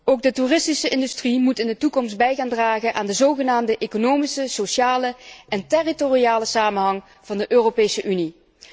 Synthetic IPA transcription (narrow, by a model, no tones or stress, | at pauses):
owɡ̚dəturɪstisəʔɪndystrimutɪndətukɔmst̚bɛjɣaːndraːɣənʔaːndəzowɣənaːmdəʔekonowmisəsoʃaːləʔɛntɛritoriaːləsaːmənɦɑŋ | v̥ɑndəʔøːropejsəʔyni